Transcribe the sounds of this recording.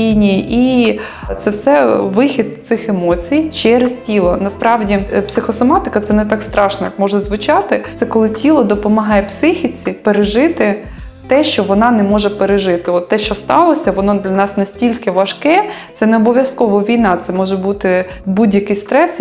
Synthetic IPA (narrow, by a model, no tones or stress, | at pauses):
ijnʲijiʔi | t̪sɛwsɛʋɪxʲid̪̚t̪sɪxemɔt͡sʲijt͡ʃɛɾɪstʲilˠɔnɐspɾʔɑʋdʲipsɪxɔsɔmɑt̪ɪkɐt̪sɛnɛt̪ɑkst̪ɾɑʃnɔjkmɔʒɐzʋʊt͡ʃɑt̪ɪt̪sɛkɔlˠɪtʲilˠɔd̪ɔpɔmɐɦɑjɛpsɪxʲit͡sʲipeɾeʒɪt̪ɪ | t̪ɛʃt͡ʃɔʋɔnɑnɛmɔʒɛpeɾeʒɪt̪ɪɔt̪ːɛʃt͡ʃɔst̪ɑlˠɔsʲɐʋɔnɔd̪lʲɐnɑsnɐsʲtʲilʲkɪʋɐʃkɛt̪sɛnɛɔbɔʋʲjɐskɔʋɔʋʲijnɑt̪sɛmɔʒɛbut̪ɪ | budʲjɐkɪjst̪ɾɛs